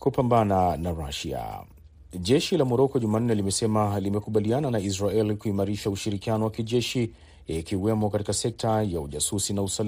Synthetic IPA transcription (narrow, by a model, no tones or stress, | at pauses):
kupambananaɾaʃia̰ | ʄɛʃilamɔɾɔkɔʄuman̩ːɛlimɛsɛmalimɛkuɓaliananais̬ɾaɛlikuimaɾiʃauʃiɾikianɔwakiʄɛʃi | ikiwɛmɔkatikasɛk̚tʰajauʄasusinausal